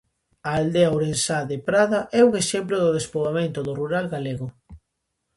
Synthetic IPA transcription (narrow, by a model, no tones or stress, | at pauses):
aːld̪eauɾensaðepɾaðaʔɛuŋeʃemploðʊðespoɣamẽnt̪oðʊruɾalɣaleɣʊ